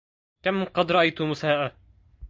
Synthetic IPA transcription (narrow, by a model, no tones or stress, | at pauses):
kamqɑd̪ɾˤɑʔajt̪ʊmʊsaːʔa